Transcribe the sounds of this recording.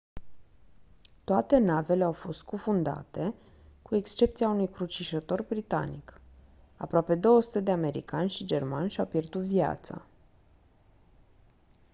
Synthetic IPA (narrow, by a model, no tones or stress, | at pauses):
t̪oat̪e̞nave̞le̞awfo̞st̪̚kufund̪a̰t̪e̞ | kue̞kst͡ʃe̞p̚t̪siaunujkɾut͡ʃiʃət̪o̞rbɾit̪a̰nḭk | apɾoape̞d̪o̞wəsu̥t̪e̞d̪eame̞ɾḭkanʲʃid͡ʒe̞rmanʲʃawpje̞rd̪ut̪via̰t̪sa̰